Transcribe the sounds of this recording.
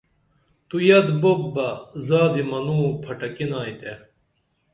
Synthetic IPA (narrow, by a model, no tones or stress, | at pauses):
t̪ujɐd̪bobːɐzaːd̪imɐnuːpʰɐʈɐkinaːit̪e